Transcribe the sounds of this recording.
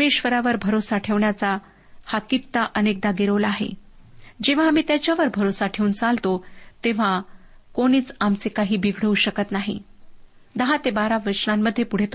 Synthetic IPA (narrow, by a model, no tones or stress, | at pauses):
meɕʋəɾaʋəɾbʱəɾosaʈʰeʋɳjat͡sa | hakit̪ːaʔənek̚d̪aɡeɾolaɦḛ | d͡ʑeʋ̤aːmiːt̪jat͡ɕjaʋəɾbʱəɾosaʈʰeunt͡salt̪ot̪eʋ̤akoɽ̃iːt͡samt͡sekaɦiːbiɡʱɽəuɕəkət̪naɦḭ | d̪əɦãt̪ebaɾaʋəɾɕnamːəd̪ʱːjepuɽ̤et̪o